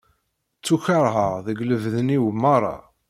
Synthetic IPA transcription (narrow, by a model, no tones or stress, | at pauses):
t͡sːuçəɾˤɦəʁðəɡləvðəniwmɑɾˤːɑ̰